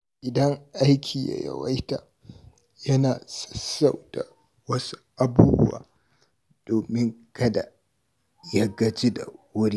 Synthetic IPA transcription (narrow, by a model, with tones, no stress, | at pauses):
ʔɪ˨dɐ˦ŋʔa˦jkʲʰiː˨ja̰˨jɐ̰˨wa˦jtaː˨ | jɐ˦naː˨sʼɐ̥˦sːa˨wda̰˨ | wɐ˦su̥˦ʔa˦˨buː˦bʊ˦wa̰ː˨ | d̥oː˨mɪ˦ŋkɐ˦da̰˨ | ja˦ɡɐ˦t͡ʃe˦da̰˨wʊ˦ɾiː˦